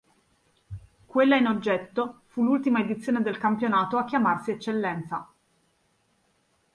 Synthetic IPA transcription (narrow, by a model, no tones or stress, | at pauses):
kwelːainod͡ʒːɛt̪ːofulːult̪imaed̪it̪sːjoːned̪elkampjonaːt̪oakːjamarsiɛt͡ʃːelːɛnt̪sa